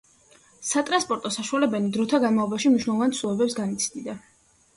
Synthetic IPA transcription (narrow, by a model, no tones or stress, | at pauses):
sat̪ʼɾanspʼɔɾt̪ʼɔsaʃualɛbɛnid̪ɾɔt̪ʰaɡanmavlˠɔbaʃimniʃwnɛlˠɔvant̪sulˠɛbɛpsɡanit̪sʰd̪id̪a